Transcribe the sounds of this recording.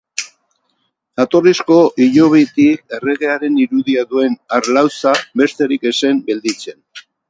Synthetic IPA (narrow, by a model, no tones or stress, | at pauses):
at̪o̞risko̞ʔiʎo̞βit̪ik̚e̞re̞ɣe̞aɾe̞niɾuðiaðue̞naɾlawsaβe̞st̪e̞ɾike̞se̞mbeld̪it͡se̞n